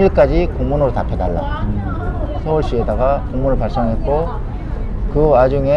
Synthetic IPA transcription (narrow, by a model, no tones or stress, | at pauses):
iɭk͈ad͡ʑikoŋmunɯɾotapʰe̞daɭːa̰ | sʰʌwuɭɕ͈iedaɡakoŋmunɯɭpaɭs͈ʌŋɦe̞t̚k͈o | kɯad͡ʑuŋe̞